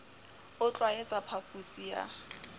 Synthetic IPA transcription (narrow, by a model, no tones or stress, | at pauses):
ʊt͡ɬʼwaet͡sʼapʰapʼusija̰